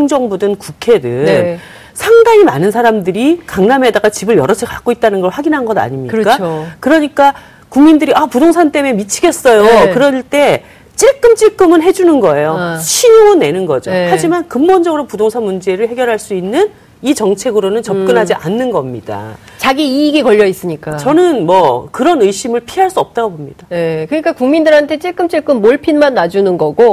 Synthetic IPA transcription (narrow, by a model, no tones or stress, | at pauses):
ŋd͡ʑʌŋbudɯnkukʰe̞dɯ | sʰaŋdaŋima̰nɯnsʰaɾamdɯɾikaŋname̞daɡat͡ɕibɯɭjʌɾʌt͡ɕʰekak͈oit̚t͈anɯnɡʌɭɸwaɡinɦanɡʌda̰ɲimɲik͈akɯɾʌɲik͈a | kuŋmindɯɾiapudoŋsʰant͈e̞me̞mit͡ɕʰiɡe̞s͈ʌjokɯɾʌɭt͈e̞ | t͡ɕ͈iɭk͈ɯmt͡ɕ͈iɭk͈ɯmɯnɦe̞d͡ʑunɯnɡʌe̞joɕʰiɲoŋɯnːe̞nɯnɡʌ̰d͡ʑohad͡ʑimankɯmbond͡ʑʌɡɯɾopudoŋsʰanmund͡ʑe̞ɾɯɭhe̞ɡjʌɾɦaɭs͈uinːɯn | it͡ɕʌŋt͡ɕʰe̞ɡɯɾonɯnt͡ɕʌp̚kk͈ɯnɦad͡ʑiʔanːɯnɡʌmɲid̥a̰ | t͡ɕaɡiiːɡekʌʎːʌis͈ɯɲik͈at͡ɕʌnɯnmwʌkɯɾʌnɯjɕ͈imɯɭpʰiɦaɭs͈uʌp̚t͈aɡobomɲid̥ajekɯɲik͈akuŋmindɯɾɦantʰe̞t͡ɕ͈iɭk͈ɯmt͡ɕ͈iɭk͈ɯmːoɭpʰinmanːad͡ʑunɯnɡʌɡo